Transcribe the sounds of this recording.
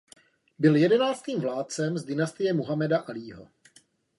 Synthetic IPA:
bɪljɛdɛnaːt͡st̪iːmvlaːt̪̚t͡sɛmzdɪnast̪ɪjɛmuɦamɛdaʔaliːɦo̞̰

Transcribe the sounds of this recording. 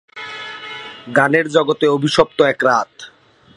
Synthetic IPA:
ɡaneɾd͡ʑɔɡot̪eobʱiʃɔp̚t̪oɛkɾat̪

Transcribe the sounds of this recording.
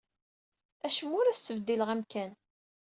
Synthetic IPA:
æʃəmːʊɾæst͡sːəvd̪ːiləʁæmkæn

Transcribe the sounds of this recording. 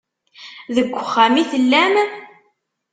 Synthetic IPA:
ðəɡʷːəχːæmiθəlːæm

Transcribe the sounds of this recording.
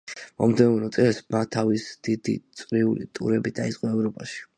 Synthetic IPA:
mɔmd̪ɛnunɔt̪sʼɛlsmat̪ʰavisd̪̥id̪ḭt̪sʼqʼɾiulḭt̪ʼṵɾɛbid̪aizʼqʼɔɛvɾɔpʼaʃi̥

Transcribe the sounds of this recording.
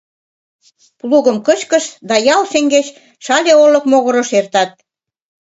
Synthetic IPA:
pluɣə̆mkət͡ɕkə̆ʃd̪ɑjɑlʃeŋɡet͡ɕ | ʃɑlʲeolɤ̆kmoɣɤ̆ɾɤ̆ʃert̪ɑt̪̚

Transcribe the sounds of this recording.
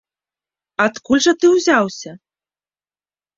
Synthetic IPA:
at̪kulʲʐɐt̪ɨwzʲawsʲɐ

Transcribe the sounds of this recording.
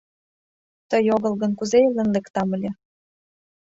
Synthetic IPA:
t̪əjoɣɤ̆lɣə̆nkuzeelə̆nlekt̪ɑməlʲe

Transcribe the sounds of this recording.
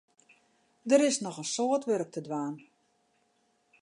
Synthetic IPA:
dəɾɪsnɔxənsoətʋørək̚tədʋaːn

